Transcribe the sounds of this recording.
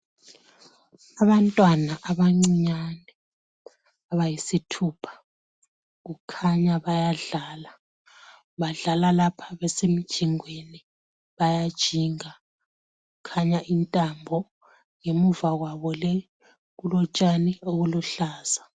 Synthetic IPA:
aβantʼwanaʔaβaŋ͡ǀiɲanɛ | aβajisitʰuːpʰḁ | ɣukʰaɲaβajaɮaːla | βaɮalalapʰaβɛsemid̥ʒ̥ʱiŋweni | βajad̥ʒ̥ʱiŋa | ɣukʰaɲaʔintʼambʱɔ | ŋemuvaɣwaβɔlɛ | ɣulɔt͡ʃʼanɛoɣuluɬaːz̥a

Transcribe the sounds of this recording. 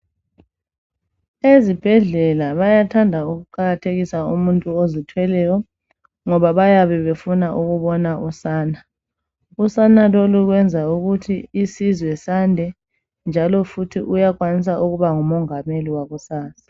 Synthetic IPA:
ezib̥ʱɛɮɛlaβajatʰandʱauɣuǃaɣatʰeɣisaumuntʼuozitʰwɛlɛjɔ | ŋɔβaβajaβɛβefunaʔuɣuβɔnaʔusaːna | usanaloluɣwɛnd͡zʱauɣutʰiisizwɛsandʱɛ | nd͡ʒʱalɔfutʰiʔujaɣwanis̬aʔuɣuβaŋumɔŋameliwaɣusaːsḁ

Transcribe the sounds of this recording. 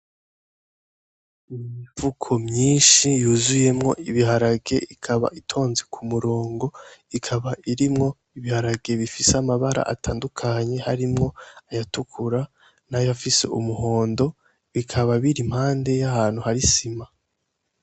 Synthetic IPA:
imiɱvukʰo̞mɲiːnʃijuːzuje̞mŋo̞ʔiβiɦaɾaɡe̞ʔikʰaβa̰ʔitʰo̞ːnze̞kʰumuɾoːŋɡo̞ikʰaβaʔiɾimŋo̞ | iβihaɾaɡe̞βifiseamaβaɾa̰ʔa̰taːndukʰaɲe̞haɾimŋo̞ajatukʰuɾa | najojafise̞̰ʔumuho̞ːndo̞ | βikʰaβaβiɾim̥haːnde̞jahaːn̥huhaɾisima

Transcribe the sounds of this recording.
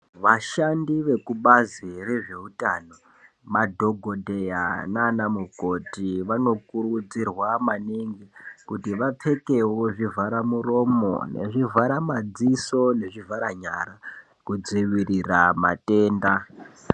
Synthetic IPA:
ʋaʃandiʋe̞kuɓazireʐe̞utano̞ | madʱo̞ɡʱo̞dʱe̞ja̰nanamuko̞tiʋano̞kuɾud͡zirwamaniŋɡikutiʋap͡fʰe̞ke̞woʐivaɾamuro̞mo̞̰ne̞̰ʐivaɾamad͡ziso̞ne̞ʐivʱaɾaɲa̰ɾa | kud͡ziʋirirama̰tʼeːnda

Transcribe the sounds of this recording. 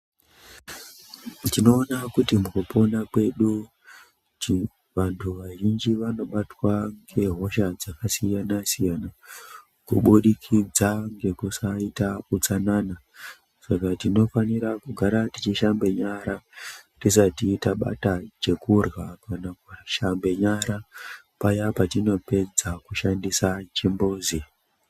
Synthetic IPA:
tino̞ːnakutimukupo̞nakwe̞ɗu | ʋantʰuʋaʒind͡ʒiʋano̞ɓatwaŋɡe̞ɦo̞ʃad͡zakasijanasijana | kṵɓuɗikʰid͡zaŋɡe̞kusaitakut͡sanana | sakatino̞faniɾakuɡʱaɾatit͡ʃiʃambe̞ɲaɾatisatiːtaɓa̰tat͡ʃe̞kurɣakanakuʃambe̞ɲaɾa | pajapatino̞pe̞d͡zakuʃandisat͡ʃimbuːzi

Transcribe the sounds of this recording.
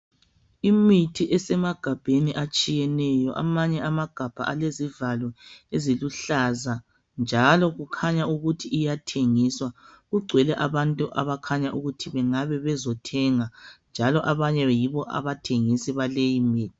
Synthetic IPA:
imitʰiʔɛsɛmaɡ̥ʱab̥ʱeniʔat͡ʃʼijɛnɛjɔʔa̰maɲɛamaɡ̥ʱab̥ʱa̰ʔalezivalɔeziluɬaza | nd͡ʒʱalɔɣukʰaɲauɣutʰiːjatʰeŋiswaɣuɡ͡ǀʱwɛlɛʔaβantʼuʔa̰βakʰaɲaʔuɣutʰiβɛŋaβɛβɛzɔtʰɛŋand͡ʒʱalɔʔaβaɲɛjiβɔʔa̰βatʰeŋisiβalejimiːtʰi̥

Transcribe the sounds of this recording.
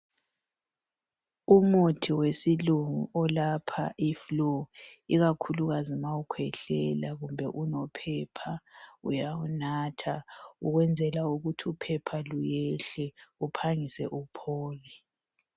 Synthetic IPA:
umutʰiwesiluŋṵʔɔlapʰa̰ʔifloiɣakʰuluɣazimaukʰwɛɬɛlaɣumbʱɛʔunɔpʰɛpʰaṵjaunaːtʰauɣwɛnd͡zʱɛlauɣutʰiupʰɛpʰalujɛɬɛupʰaŋisɛʔupʰɔːlɛ

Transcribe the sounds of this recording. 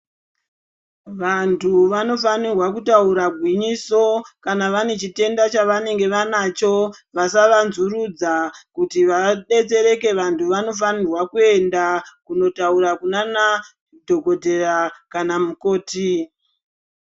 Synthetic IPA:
ʋantʰuʋano̞fanirwakutauɾaɡʱwiɲiso̞kanaʋane̞t͡ʃite̞ndat͡ʃaʋane̞ŋɡe̞ʋanat͡ʃo̞ʋasaʋanzurud͡zakutiʋaɗe̞t͡se̞ɾe̞ke̞ʋantʰuʋano̞f̬anirwakue̞ndakuno̞tauɾakunana | dʱo̞ɡʱo̞dʱe̞rakanamukoːti

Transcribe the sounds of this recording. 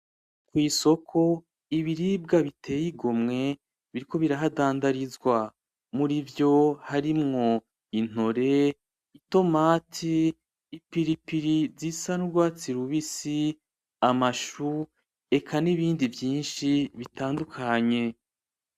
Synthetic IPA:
kwiːso̞kʰo̞ | iβiɾib̚ɡaβitʰe̞ːjiɡo̞mŋe̞ | βiɾiko̞βiɾaɦadaːndaɾizɡwa | muɾivjo̞haɾimŋo̞ | in̥o̞ɾe̞ | ito̞maːtʰiː | piɾipiɾizisanuɾɡwaːt͡siɾuβisi | amaʃu | e̞kʰaniβiːndivjiːnʃiβitaːndukʰaɲe̞

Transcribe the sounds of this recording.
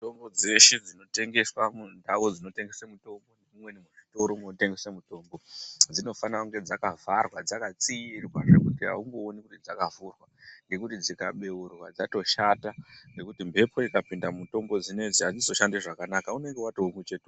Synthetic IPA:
to̞mbo̞d͡ze̞ʃed͡zino̞te̞ŋɡe̞swamundawod͡zino̞te̞ŋɡesamuto̞mbonemumwenimuʐito̞ɾomunote̞ŋɡe̞samuto̞ːmbo̞d͡zino̞fanauŋɡe̞d͡zakavarwad͡zakat͡siirwaʐekutiɦa̰uŋɡoːnikutid͡zakavurwaŋɡe̞kutid͡zikaɓe̞urwa̰d͡zato̞ʃataŋɡe̞kutimbʱe̞pʰo̞ikapindamuto̞mbo̞d͡zine̞d͡ziad͡zizo̞ʃandeʐakanakaune̞ŋɡe̞watoumwet͡ʃetu

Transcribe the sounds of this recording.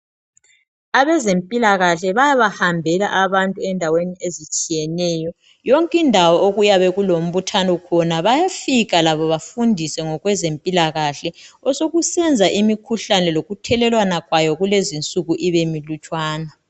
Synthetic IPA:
aβɛzempʼilaɣaɬɛβajaβahambʱɛlaʔaβantʼuɛndʱaweniezit͡ʃʼijɛnɛːjɔ | jɔŋkʼindʱawɔʔoɣujaβɛɣulom̩βutʰanɔkʰɔnaβajafiɣalaβɔβafundʱisɛŋɔɣwɛzempʼilaɣaɬɛɔsoɣusɛnd͡zʱaʔimikʰuɬanɛloɣutʰɛlɛlwanaɣwajɔɣulezint͡sʼuɣuʔiβemilut͡ʃʼwaːna

